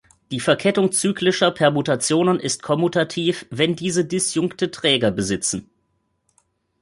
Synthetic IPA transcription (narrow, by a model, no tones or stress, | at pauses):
d̥iːfɛɐkʰɛtʊŋt͡syːklɪʃɐpʰɛɐmutat͡sjoːnənʔɪst̚kʰɔmutʰatʰiːfvɛndiːzədɪsjʊŋktətʁ̥ɛːɡɐbəzɪt͡sn̩